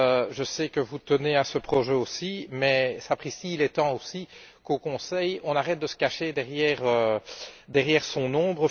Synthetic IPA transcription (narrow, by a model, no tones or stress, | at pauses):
ʒəsɛkəvut̪əneasəpχɔʒɛosimɛsapχisiːlɛt̪ɑ̃osi | kokɔ̃sɛjɔ̃naʁɛt̪̚d̪əsə̥kaʃed̪ɛʁjɛːʁø | d̪ɛʁjɛːʁsɔ̃nɔ̃ːbʁə